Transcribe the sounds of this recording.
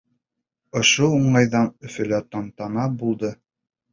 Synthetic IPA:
ŏʃouɴɑjðɑnɵ̆fɘ̆læt̪ɑnt̪ɑnɑbulˠd̪ɤ

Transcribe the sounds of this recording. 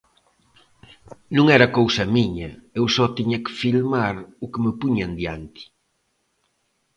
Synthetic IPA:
nũŋɛɾɐakowsɐmiɲɐewsɔt̪iɲɐkɪ̥filmaɾʊkemɪpuɲand̪jant̪i̥

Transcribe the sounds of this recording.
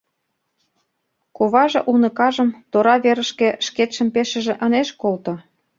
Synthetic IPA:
koβɑʒĕʔunɤ̆kɑʒə̆mt̪oɾɑβeɾəʃkĕʃket̪ʃə̆mpeʃə̆ʒĕʔəneʃkolt̪ŏ

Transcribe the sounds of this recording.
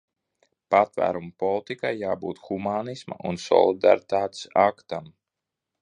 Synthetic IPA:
pat̪væ̰ːɾumupɔlˠt̪ikajːaːbuːt̪xumaːnisma̰ʔunsɔ̰lˠid̪a̰ɾit̪aːt̪sakt̪am

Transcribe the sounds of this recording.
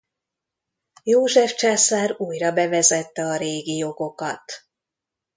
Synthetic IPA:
joːʒɛft͡ʃaːsaːɾuːjrɒbɛvɛzɛt̪ːɛɒɾeːɡijo̞ɡo̞kɒt̪

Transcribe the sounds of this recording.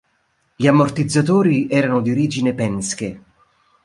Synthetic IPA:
ʎiamːort̪id̪zːat̪oːɾiɛːɾanʊd̪ioɾiːd͡ʒinepɛnske

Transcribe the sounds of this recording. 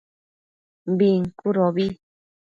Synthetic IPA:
mbiŋkuɾoβi

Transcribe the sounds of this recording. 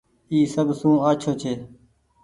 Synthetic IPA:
iːsəbsũːaːt͡ʃʰoːt͡ʃʰeː

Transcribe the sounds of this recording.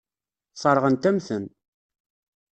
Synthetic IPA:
sˤɑɾˤʁənt̪æmθən

